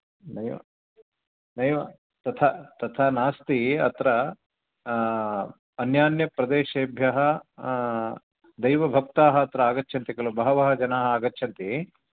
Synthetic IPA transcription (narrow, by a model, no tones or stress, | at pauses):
nɐjʋɐ̰ | nɐjʋɐ | t̪ɐt̪ʰat̪ɐt̪ʰaːnaːst̪iɐt̪ɾɐ | njaːnjɐpɾɐd̪eːʃeːbʱjɐɦɐ | d̪ɐjʋɐbʱɐk̚t̪aːɦɐːt̪ɾɐaːɡɐtːt͡ʃʰɐnt̪ikɐlɐbɐɦɐʋɐɦɐd͡ʒɐnaːɦɐaːɡɐtːʃʰɐnt̪i